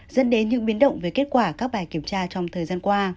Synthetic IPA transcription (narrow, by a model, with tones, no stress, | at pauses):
zə̰˧˥nɗe˨˦nɲɨ̰˧˥ŋɓi˨˦ənɗə̰˧˨wŋ͡mveː˨˩jke˦˥tt̚kwaː˧˩kaː˦˥k̚ɓaː˨˩jki˧˩əmt͡ɕaː˧t͡ɕɔ˧wŋ͡mt̪ʰəː˨˩jzaː˧nkwaː˧